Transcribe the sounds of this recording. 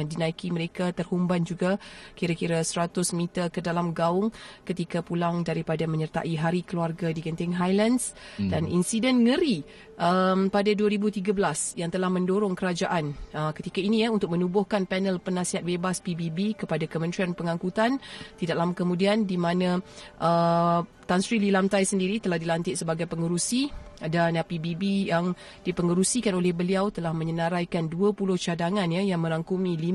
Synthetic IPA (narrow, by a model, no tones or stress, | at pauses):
ŋdinãikiməɾekat̪ərhumband͡ʒuɡakiɾakiɾasəɾat̪ʊsmit̪ərkədalamɡaʊŋkət̪ikapulaŋdaɾipadamə̃ɲərt̪a̰ʔiɦaɾikəluarɡadikənt̪ɪŋɦajlansdanḭnsidɛnŋəɾi | ʔəmpadaduaɾibut̪iɡabəlasjaŋt̪əlahmə̃ndoɾʊŋkəɾad͡ʒaʔanəkət̪ikainijaunt̪ʊk̚mə̃nubʊhkanpɛnəlpənãsiɦat̪̚bebaspibibikəpadakəmənt̪ɾianpəŋãŋkut̪ant̪idaʔlamakəmũdiandimãnãʔət̪ansɾililamt̪ajsəndiɾit̪əlahdilant̪ɪʔ̪səbaɡajpəŋəɾusidanpibibijaŋ | dipəŋəɾusikanolɛhbəliawt̪əlahmə̃ɲənãɾajkanduəpulʊht͡ʃadaŋãnjajaŋmə̃ɾaŋkumĩli